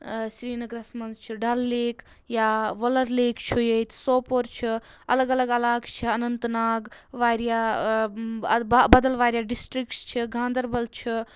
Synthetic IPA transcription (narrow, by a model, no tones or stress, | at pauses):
sɾiːnɐɡɾɐsmɐnzt͡ʃʰiɖɐlːeːk | jaːʋɐlɐɾleːkt͡ʃʰujeit̪soːpoɾt͡ʃʰi | ɐ̰lɐɡɐlɐɡɐlaːkt͡ʃʰiɐnɐnt̪naːɡʋaːɾijaː | bɐd̪ɐlʋaːɾjaːɖisʈɾik̚ʈst͡ʃʰiɡʱãːnd̪ɐɾbɐlt͡ʃʰi